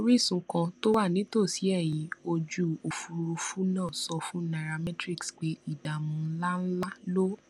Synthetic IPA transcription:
o˧˦ɾi˦˨sũ˨˧kã˧to˦wa˦˨nĩ˨˦to˦˨si˨˦ɛ˦˨j̃ĩ˨˧˦o˧d͡ʒu˨o˨fu˧ɾu˧fu˦nãː˦˨sɔ˧fũ˦na˨ɾa˧mɛ˦tɾi˦˨ksk͡pe˨˦i˦˨da˨mũ˧˦la˦n̩˦la˦lo˦

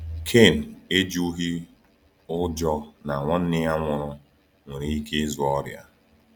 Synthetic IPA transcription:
kʰe˦˨n̩˨e˦d͡ʒu˦ɦi˦ | ʊ˦d͡ʒɔ˦na˨ŋʷɔ˦n̩˦nɪ˦a˦ŋʷʊ˨ɾʊ˦ | ŋʷe˨ɾi˨˦i˦ke˦zu˨ɔ˦ɾja̰˦

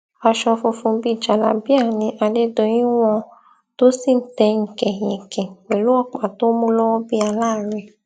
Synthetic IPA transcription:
a˧ʃɔ˧fo˧fũ˧bi˦˨d͡ʒa˨la̰˨˦bi˦a˦˨nĩ˧˦ʔa˧de˦do˧j̃ĩ˦w̃ɔ̃˧ | to˦si˦˨n̩˦tɛ˧ŋ̩˨kɛ̃˨j̃ĩ˨kɛ̃˨we˨lu˨˦ɔ˦˨k͡pa˨to˦mũ˦lɔ˦wɔ˦bi˦a˧laː˦˨ɾɛ˧˨

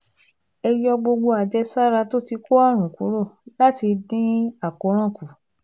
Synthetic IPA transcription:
ɛ˧jɔ˧ɡ͡bo˧ɡ͡bo˧a˨d͡ʒɛ˦sa˦ɾa˧to˦ti˧ko˦a˦˨ɾ̃ũ˨ku˨˦ɾo˦˨la˦ti˧dĩ˦a˦˨ko˨˦ɾ̃ã˦˨ku˨

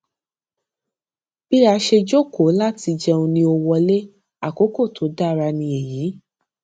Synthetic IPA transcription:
b̥i˦a˧ʃe˧d͡ʒo˦ko˨˦la˦ti˧d͡ʒɛ˧ũ˧nĩ˧o˧wɔ˧le˦ | a˦˨ko˨˦ko˦˨tʰo˨˦da˦˨ɾa˧nĩ˧e˨jiː˨˦

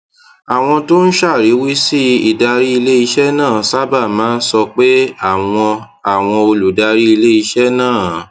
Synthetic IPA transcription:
a˨w̃ɔ̃˧to˦n̩˦ʃa˦˨ɾi˨˦wi˦si˦i˨da˧ɾi˦i˧le˦i˧ʃɛ˦nãː˦˨sa˦ba˦˨mãː˨˦n̩˦sɔ˧k͡pe˦a˦˨w̃ɔ̃˧ | a˨w̃ɔ̃˧o˧lu˨da˧ɾi˦i˧le˦i˧ʃɛ˦nãː˦˨

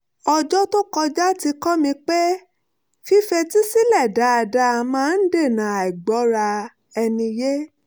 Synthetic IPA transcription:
ɔ˧d͡ʒɔ˦to˦kɔ˧d͡ʒa˦ti˧kɔ˦mĩ˧k͡pe˦ | fi˦fe˧ti˦si˦lɛ˦˨da˨˦a˧da˧mãː˦˧n̩˦de˦˨nã˨a˨i˨ɡ͡bɔ˨˦ɾa˧ | ɛ˧nĩ˧je˦

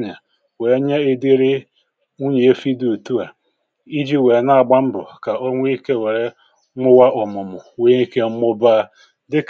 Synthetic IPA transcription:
ɲa˨ | we˨˦ɲe˦e˦di˦ɾɪ˦ | u˦ɲi˨e˦fi˦du˨tu˦a˨ | i˦d͡ʒi˦we˨na˦a˨ɡ͡ba˦m̩˦bʊ̰˨ka˨o˦ŋʷe˦i˦ke˦we˨ɾe˦ | ŋʊ˦wa˦ʔɔ˨mʊ˨mʊ˨we˦i˦ke˦m̩˦mʊ˦ba˦˨ | dɪ˦k

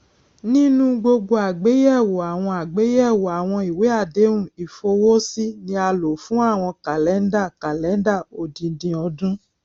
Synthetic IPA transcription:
nĩ˦nũ˦ɡ͡bo˧ɡo˧a˨ɡ͡be˨˦jɛ˦˨wo˨a˨w̃ɔ̃˧a˨ɡ͡be˨˦jɛ˦˨wo˨a˨w̃ɔ̃˧i˨we˨˦a˦˨de˨˦wũ˦˨i˨fo˧wo˦si˦nĩ˦a˧lo˨fũ˦a˦˨w̃ɔ̃˧ka˨lɛ˨˦n̩˦da˦˨ka˨lɛ˨˦n˦da˦˨o˨dĩ˧˦dĩ˧ɔ˧dũ˦

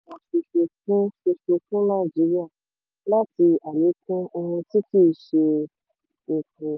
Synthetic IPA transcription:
a˨ʃe˧ʃe˧kũ˦ʃe˧fo˧fũ˦nã˦˨d͡ʒi˨˦ɾi˦a˦˨ | la˦ti˧a˨le˨˦kũ˦o˧hũ˧ti˦ki˦˨ʃe˧ | e˨kũ˨

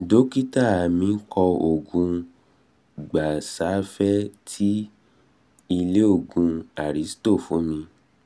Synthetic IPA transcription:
do˨˦ki˦ta˦˨a˨mĩ˧˦kʰɔ˧o˨ɡũ˧˦ | ɡ͡ba˨sa˨˦fɛ˦tʰi˦ | i˧le˦o˦˨ɡũ˧a˨ɾi˨˦sto˦˨fũ˨˦mĩ˧

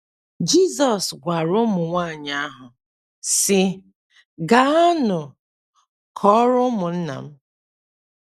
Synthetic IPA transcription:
d͡ʒi˦˨zɔ˨sɡʷa˨ɾʊ˦mʊ˨ŋʷa˦˨ɲa˦ɦʊ˨ | sɪ˦ | ɡa˨˦a˦nʊ˨ | kʰɔ˦ɾʊ˦mʊ˨n̩˦na̰˨m̩˦

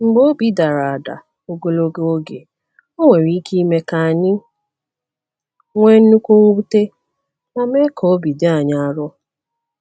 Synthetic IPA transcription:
ŋ͡m̩˨ɡ͡bo˦o˦bi˦da˨ɾa˨da̰˨ | o˨ɡo˨lo˦ɡe˦o˦ɡe˨ | o˦ŋʷe˨ɾi˦ki˦i˦me˦ka˨a˨ɲɪ˦ | ŋʷe˦n̩˦nu˦kʷu˦ŋ̩˦u˦te˦ | na˦me˦kʰɔ˨o˦bi˨dɪ˦a˨ɲa˨a˨ɾʊ˦

